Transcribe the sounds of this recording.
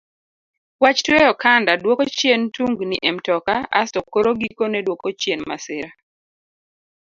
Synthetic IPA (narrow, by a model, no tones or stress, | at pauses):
wat͡ʃtwɛjɔkandadwokot͡ʃjentuŋɡniʔɛmtɔkaa̰stɔkoɾoɡikonɛdwokot͡ʃjenma̰sɪɾa